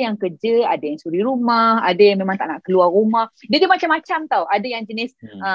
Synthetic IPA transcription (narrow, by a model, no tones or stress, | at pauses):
jaŋkərd͡ʒəa̰dajaŋsuɾiɾumaha̰dajaŋmemãŋt̪aʔnaʔkəluarumahdadimat͡ʃamːat͡ʃamt̪awadajaŋd͡ʒənɪsə